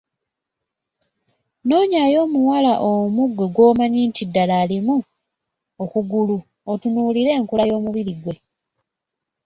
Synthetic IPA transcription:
no̞ːɲajo̞ːmuwalaʔomuɡwe̞ɡwo̞ːmaɲiːntidːalaːlimu | okuɡulu | otunuːliɾe̞ːŋkulajo̞ːmuβiɾiɡwe̞

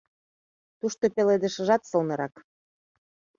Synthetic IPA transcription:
t̪uʃt̪opeled̪ə̆ʃə̆ʒɑt̪solnɤ̆ɾɑk

